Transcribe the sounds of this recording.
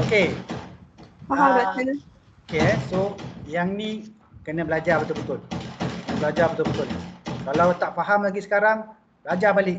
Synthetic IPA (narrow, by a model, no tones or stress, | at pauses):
oke | faɦamblad͡ʒa | okesojaŋnĩ | kənə̃bəlad͡ʒabət̪ʊbət̪ʊlkənə̃bəlad͡ʒabət̪ʊbət̪ʊnkalawt̪aʔfaɦamlaɡisəkaɾaŋ | bəlad͡ʒabalɪʔ